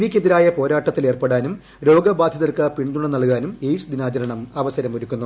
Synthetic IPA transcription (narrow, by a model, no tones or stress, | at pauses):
nikʲːeðiɾaːjɐpo̞ːɾaːʈːɐt̪ːile̞ːrpeɽaːnum | ɾo̞ːɡɐbaːd̪ʱjɐðɐrkɨpiɳd̪uɳɐnɐɭkaːnumejʈsɨd̪inaːt͡ɕɐɾɐɳɐmɐʋɐsɐɾɐmoɾukʲːunːu